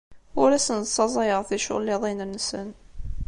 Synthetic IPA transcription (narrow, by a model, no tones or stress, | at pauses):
ʊɾæsənsːˤɑzˤɑjəʁθiʃʊ̰lːɪðˤinənːəsən